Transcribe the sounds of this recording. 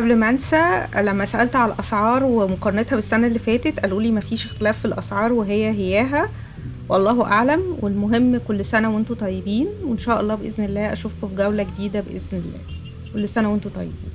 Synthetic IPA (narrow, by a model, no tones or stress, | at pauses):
ʔæblmænsælæmːæsæʔælt̪ʕalæʔɑsʕɑːɾˤwemoqɑɾˤɑnet̪hæbesːænælːifæːt̪et̪ʔæluːliːmæfiːʃext̪elæːfːilʔɑsʕɑːɾˤweɦejːæɦejːæːɦæ | wʔɑlˤːɑːhʔaʕlæmwelmoɦemːkolːsænæwent̪ot̪ˤɑjːebiːnwenʃæːʔɑlˤːɑːbeʔeznelːæːʔæʃuːfkofiɡæwlæɡed̪iːd̪æbeʔeznelːæ̰ː | kolːsænæwent̪ot̪ˤɑ̰jːḛbiːn